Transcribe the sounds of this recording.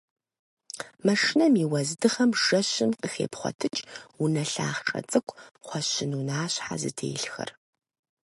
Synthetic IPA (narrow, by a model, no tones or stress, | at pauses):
mɐʂnɐmiːwɐzdɨχɐmʒ̥ɐɕɪnqəxḛːpχʷɔ̰tʰɨt͡ʃʼunɐɬaːχʈ͡ʂʼɐ̰t͡sʼɨkʷʰʼχʷɔɕɪnunaːɕħa̰zɨ̰tʰḛːɬxɐ̰r